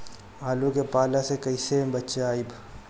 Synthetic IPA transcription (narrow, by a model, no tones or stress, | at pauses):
aːlõkepaːlasekɐisebɐtːʃeaːib